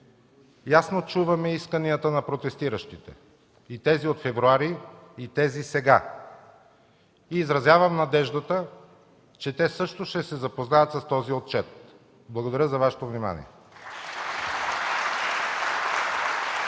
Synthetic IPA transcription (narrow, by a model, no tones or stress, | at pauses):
jasnot͡ʃuvɐmɛiskəniət̪ənɐpɾot̪ɛst̪iɾəʃt̪it̪ɛ̰ | it̪ɛziot̪fɛvɾuaɾiit̪ɛzisɛɡa | iːzɾɐzjavəmnɐd̪ɛʒd̪ət̪ə | t͡ʃɛt̪ɛsɤʃt̪oʃt̪ɛsɛzɐpoznajət̪sɐst̪ɔziot̪̚t͡ʃɛt̪̚ | blˠɐɡod̪ɐɾʲəzɐvaʃɛ̥t̪ovnima̰nḭɛ̰